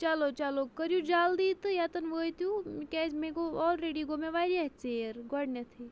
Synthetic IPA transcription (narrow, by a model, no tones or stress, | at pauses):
t͡ʃalot͡ʃalokəɾjud͡ʒaːld̪iːt̪ɨjat̪ɐnʋəːjt̪jukɛzmẽɡoɔːlɾeːɖiɡomeʋaɾiaɦt͡seːɾɡɔɽnet̪ʰi